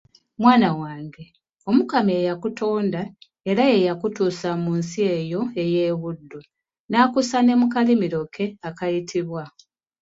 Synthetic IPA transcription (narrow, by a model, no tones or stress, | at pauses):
mwaːnawaːŋɡe̞ | o̞mukameːjakutʰo̞ːnda | e̞ɾajejakutuːsamuːnsie̞jo̞e̞je̞ːβudːu | naːkusane̞mukalimiɾo̞kʰe̞akajitʰiβwa